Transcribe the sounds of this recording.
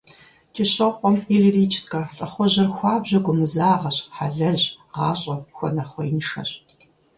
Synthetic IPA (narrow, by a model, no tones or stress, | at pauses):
t͡ʃʼɪɕɐqʷʼɔmiɮiriːt͡ʃʰskɐɬʼɐχʷɔʑɐrxʷɑːbʑɐɡʷʊmɨzaːʁɐɕħaɮɐɮɕʼʁɑːɕʼɐxʷɔnɐχʷɔinɨʃɐ̰ɕʼ